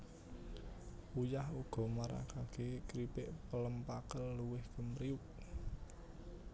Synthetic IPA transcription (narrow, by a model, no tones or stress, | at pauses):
ujahuɡ̥ɔ̤maɾa̰kaɡ̥ekɾipɪʔpələmpakəlluwɪhkəmɾiuk̚